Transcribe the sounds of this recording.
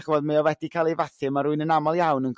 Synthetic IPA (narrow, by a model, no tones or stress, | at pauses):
χvoːdmeɔvɛdikʰaːlˠejvaθɨmaɾʊɨnənamɔlˠjawnənɡ